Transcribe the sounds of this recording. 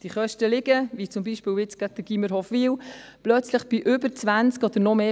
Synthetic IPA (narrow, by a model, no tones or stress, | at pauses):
d̥iχœʃtəlɪɡəvit͡sʊmbiʃpɪːlɪt͡sɡ̥æɡ̥̚d̥̪əɡ̥iməɾhɔfʋiwplœt͡sləχb̥ɪʔʏbəɾt͡sʋænt͡skɔd̪̥əɾnɔmeː